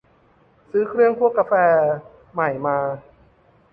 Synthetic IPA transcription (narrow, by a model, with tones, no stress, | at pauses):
sɯː˦˥kʰɾɯ˥˩əŋpʰu˥˩əkːa˧fɛː˧ | ma˨˩jmaː˧